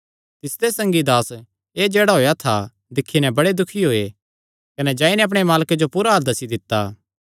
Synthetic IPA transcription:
t̪ɪsd̪esɐ̃ŋɡid̪aːs | eːd͡ʒeːɽaɦoːjat̪ʰa | d̪ɪkʰːinɛbɐɽed̪ʊkʰiɦoːe | kɐnɛd͡ʒãːinɛɐp̬ɽ̃emaːlked͡ʒopuːɾaɦɐɾd̪ɐsid̪ɪt̪ːa

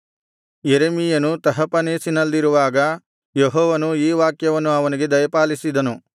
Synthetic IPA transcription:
jeɾemijɐnut̪ɐɦɐpɐneːsinɐlːiɾuʋaːɡɐ | jeɦɔːʋɐnuiːʋaːkjɐʋɐnːuɐʋɐniɡe̞d̪ɐjɐpaːlisid̪ɐnu

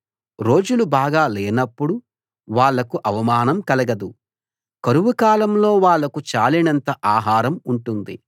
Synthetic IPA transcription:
ɾo̞ːd͡ʒulubaːɡaːleːnɐpːuɽu | ʋaːɭːɐkuʔɐʋɐmaːnɐmkɐlɐɡɐd̪u | kɐɾuʋukaːlɐmlo̞ːʋaːɭːɐkut͡ʃaːlinɐnt̪ɐʔaːɦaːɾɐmuɳʈund̪ḭ

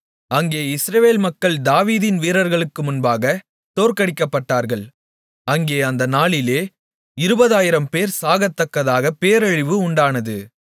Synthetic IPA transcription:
ɐŋɡeːɪsɾɐʋeːlmɐkːɐɭd̪aːʋiːðɪnʋiːɾɐɾɣɐɭɯkːɯmʊnbaːɣɐ | t̪oːɾkɐɽɪkːɐpːɐʈːaːɾɣɐɭ | ɐŋɡeːɐnd̪ɐnaːɭɪleː | ɪɾɯbɐðaːjɪɾɐmpeːɾsaːɣɐt̪ːɐkːɐðaːɣɐpeːɾɐɻɪʋɯʊɳɖaːnɐðɯ

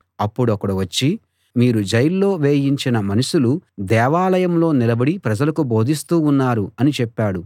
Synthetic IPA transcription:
ɐpːuɽuɐkːɐɽuʋɐt͡ʃːi | miːɾud͡ʒɐjɐlːo̞ːʋe̞ːjiɲt͡ʃinɐmɐnɐʃulud̪ɛːʋaːlɐjɐmlo̞ːnilɐbɐɽipɾɐd͡ʒɐlɐkubo̞ːd̪ʱist̪uːnːaːɾuɐnit͡ʃɛpːaːɽu

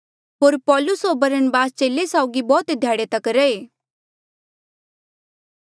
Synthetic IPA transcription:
ɦoːɾpɔːlʊsobɐɾəɳbaːst͡ʃeːlesaʊɡibɔːt̪d̪ʱjaːɽet̪ɐkɾəeː

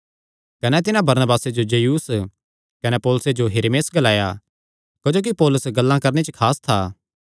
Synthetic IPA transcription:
kɐnɛt̪ɪnãbɐɾnəbaːsed͡ʒod͡ʒejuːs | kɐnɛpoːlʊsed͡ʒoɦɪɾemeːsɡɐlaːja̰ | kɐd͡ʒoːk̬ipoːlʊsɡɐlːãkɐɾnet͡ʃəkʰaːst̪ʰaː

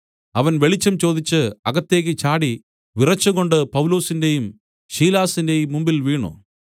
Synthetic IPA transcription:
ɐʋɐnʋe̞ɭit͡ɕːɐmt͡ɕo̞ːd̪it͡ɕːɨɐɣɐt̪ːe̞ːk̬ʲːɨt͡ɕaːɽi | ʋirɐt͡ɕːuɣo̞ɳɖɨpɐʋulo̞ːsinde̞jum | ɕiːlaːsinde̞jumːumbilʋiːɳo̰ː

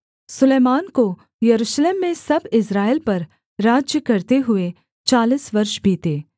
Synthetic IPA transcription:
sʊleːmaːnko | jɐɾuːʃleːmːẽsɐbɪsɾaːɪlpɐɾ | ɾaːd͡ʒjəkɐɾt̪eɦʊe | t͡ʃaːlisʋɐɾʃbʱiːt̪eː

